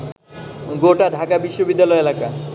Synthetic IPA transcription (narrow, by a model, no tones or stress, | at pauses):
ɡoʈaɖʱakabiʃːobid̪ːalɔeelaka